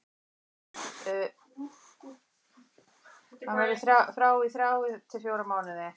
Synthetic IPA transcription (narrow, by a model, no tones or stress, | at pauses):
hanavɪθɾaθɾaːwiθɾawɪt̪ʰɪlfjowɾamaːwnɪðɪ